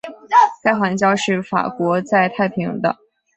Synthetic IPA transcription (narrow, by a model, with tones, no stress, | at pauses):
t͡sa˥˩ɪxa˧˥ŋt͡ɕjɑ˥ʊʂɻ̩˥˩fa̰˨˩kwɔ˧˥t͡sa˥˧ɪt̪ʰa˥˩ɪpʰi˧˥ŋd̪ə̰˧